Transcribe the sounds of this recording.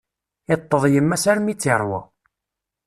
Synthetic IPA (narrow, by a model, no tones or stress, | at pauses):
ɪt̪ˤːəðˤjəmːæsæɾmit͡sːɪɾˤwɑ̰